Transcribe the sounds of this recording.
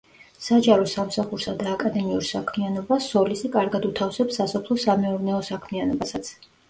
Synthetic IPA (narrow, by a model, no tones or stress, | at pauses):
sad͡ʒaɾɔsamsaχuɾsad̪aːkʼad̪ɛmiuɾsakʰmianɔbasɔlisikʼaɾɡad̪ut̪ʰafsɛpsːasɔpʰlˠɔsamɛuɾnɛɔsakʰmianɔbasat̪sʰ